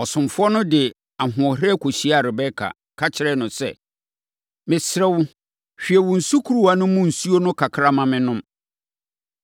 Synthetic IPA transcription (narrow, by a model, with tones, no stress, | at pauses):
ɔ˨sʊ̃˨mfʊ˦ɔ˦nʊ̃˦dɪ˨ | a˨ɦʊ̃˨ɔ˨ɦɪ˦ɾɛ˦kʰo˨ɕi˦a˨ɾɪ˨bɛ˦kʰa̰˨ | kʰa˦t͡ɕʰɪ˦ɾɛ˦nʊ̃˨sɛ̰˦ | mɪ̃˨sɾɛ˦wʊ˦ | ɕᶣi˨ɛ˨wʊ̃˨n̩˨su˦kʰu˦ɾu˦a˨nʊ̃˦mʊ̃˦n̩˨su˦o˦nʊ̃˦kʰa˨kʰɾa˦mã˨mɪ̃˦nʊ̃˦m